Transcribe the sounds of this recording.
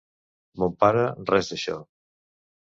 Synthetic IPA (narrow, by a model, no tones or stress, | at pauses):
mompaɾərɛzðeʃɔ̰